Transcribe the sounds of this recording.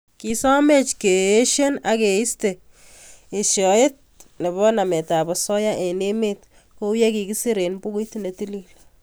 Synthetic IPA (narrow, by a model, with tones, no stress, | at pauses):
ki˨sɔ˦me˦t͡ʃke˨e˦ʃe˦na˨ke˨i˦ste˨ | e˨ʃjɔ˨e˦t̚ne˨bɔ˦na˨me˨ta˨bɔ˨sɔ˦ja˦ʔe˨ne˦me˦t | ko˦wje˦ki˨ki˦si˦ɾe˨npu˦ki˦tne˨ti˦li˨l